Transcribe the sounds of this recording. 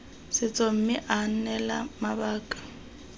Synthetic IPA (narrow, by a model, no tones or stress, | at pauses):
sɪt͡sʼɔm̩mɪʔan̩nɛlamabaːkʼḁ